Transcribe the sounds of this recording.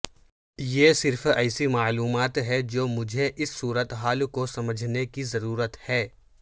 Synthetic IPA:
jesɪɾfɛːsimaːluːmaːt̪ɦɛd͡ʒoːmʊd͡ʒʱeʔɪsːuːɾət̪ɦaːlkosɐməd͡ʒʱnekizɐɾuːɾət̪hɛː

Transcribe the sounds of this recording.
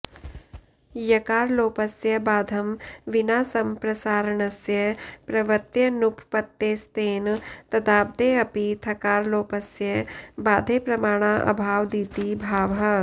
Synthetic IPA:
jɐkaːɾloːpɐsjɐbaːd̪ʱɐmʋinaːsɐmpɾɐsaːɾɐɳɐsjɐpɾɐʋɐt̪jɐnupʰpɐt̪ːeːst̪eːnt̪ɐd̪aːb̚d̪eɐpit̪ʰɐkaːɾloːpɐsjɐbaːd̪ʱeːpɾɐmaːɽ̃aːʔɐ̰bʱaːʋd̪iːt̪ibʱaːʋɦɐ

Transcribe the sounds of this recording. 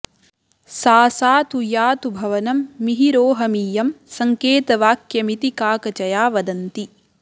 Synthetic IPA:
saːsaːt̪ujaːt̪ubʱɐʋɐnɐmːiɦiɾoːɦɐmiːjɐmsɐŋkeːt̪ɐʋaːkjɐmit̪ikaːkɐt͡ʃɐjaːʋɐd̪ɐnt̪i

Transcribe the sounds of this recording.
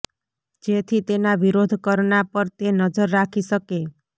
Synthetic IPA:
d͡ʒet̪ʰit̪enaʋiɾod̪ʱkəɾɳapəɾt̪enəd͡ʒəɾːakʰiʃəke

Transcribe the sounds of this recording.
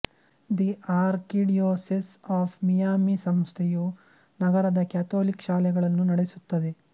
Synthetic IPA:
d̪iaːɾkiɖijoːsisaːpʰmijaːmisɐmst̪ʰeju | nɐɡɐɾɐd̪ɐkjaːt̪oːlikʃaːlɛɡɐɭɐnːunɐɽesut̪ːɐd̪e̞

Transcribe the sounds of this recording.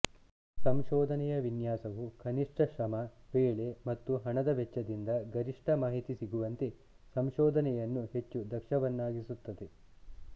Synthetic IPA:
sɐmʃɔːd̪ʱɐnɛjɐʋinjaːsɐʋukʰɐniʂʈʰɐʃɾɐmɐʋeːɭe̞mɐt̪ːuɦɐɳɐd̪ɐʋɛt͡ʃːɐd̪ind̪ɐɡɐɾiʂʈʰɐmaːɦit̪isiɡuʋɐnt̪e̞ | sɐmʃɔːd̪ʱɐnɛjɐnːuɦe̞t͡ʃːud̪ɐkʃɐʋɐnːaːɡisut̪ːɐd̪e̞

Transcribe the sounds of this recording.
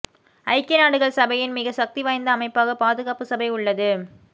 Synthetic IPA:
ɐɪkːɐnaːɽɯɣɐɭsɐbɐjɪnmɪɣɐsɐk̚t̪iʋaːjnd̪ɐːmɐɪpːaːɣɐpaːðɯɣaːpɯsɐbɐɪʊɭːɐðɯ

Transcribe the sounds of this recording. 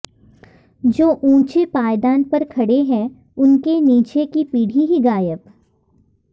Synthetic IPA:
d͡ʒoːʔũːt͡ʃepaːjd̪aːnpɐɾkʰɐɽeɦɛ̃ | ʊnkeniːt͡ʃekipiːɽ̤ʱiɦiɡaːjəp

